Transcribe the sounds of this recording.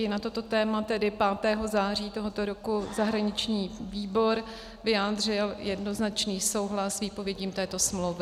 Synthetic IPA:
ɪnat̪o̞t̪o̞t̪ɛːmat̪ɛdɪpaːt̪ɛːɦo̞zaːr̝iːt̪o̞ɦo̞t̪o̞ɾokuzaɦɾaɲɪt͡ʃɲiːviːbo̞ɾ | vɪjaːd̪r̝ɪljɛdno̞znat͡ʃniːso̞wɦlasviːpo̞vjɛɟiːmt̪ɛːt̪o̞smlowvɪ

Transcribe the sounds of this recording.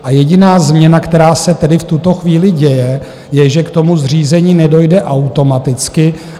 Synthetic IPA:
ʔajɛɟɪnaːzmɲɛnakt̪ɛɾaːsɛt̪ɛdɪft̪ut̪o̞xviːlɪɟɛjɛ | jɛʒɛkt̪o̞muzr̝iːzɛɲiːnɛdo̞jdɛʔawt̪o̞mat̪ɪt͡skɪ

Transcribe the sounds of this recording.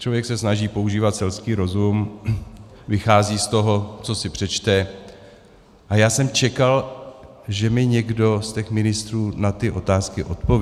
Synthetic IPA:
t͡ʃlovjɛksɛsnaʒiːpo̞uʒiːvat̪sɛlskiːɾo̞zum | vɪxaːziːst̪o̞ɦo̞t͡so̞sɪpr̝̥ɛt͡ʃt̪ɛ | ʔajaːsɛmt͡ʃɛkal | ʒɛmɪɲɛɡdo̞stcɛxmɪnɪst̪ɾuːnat̪ɪʔo̞t̪aːskɪʔo̞t̪po̞v

